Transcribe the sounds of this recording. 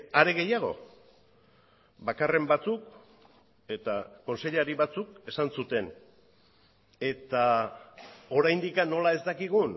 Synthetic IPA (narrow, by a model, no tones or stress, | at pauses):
aɾe̞ɣ̞e̞jaɣ̞o̞̰ | βakare̞mbat͡suk | e̞t̪ako̞nse̞ʎaɾiβat͡suke̞sansut̪e̞n | e̞t̪a | o̞ɾajnd̪ikano̞lae̞zt̪akiɣ̞un